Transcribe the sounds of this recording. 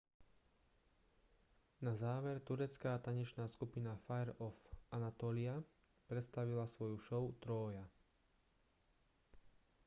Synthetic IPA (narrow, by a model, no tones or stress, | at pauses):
nazaːʋɛɾt̪uɾɛt͡skaːt̪aɲɛt͡ʃnaːskupinafajɛɾɔfanat̪ɔːlia | pɾɛt̪st̪aʋilasʋɔjuʃɔʊt̪ɾɔːja